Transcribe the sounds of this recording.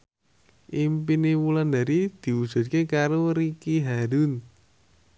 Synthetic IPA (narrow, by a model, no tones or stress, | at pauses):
ʔimpinemuland̪aɾid̪̥i̤ud̥ʒ̥ɔ̤t̪̚kekaɾoɾikiɦaɾun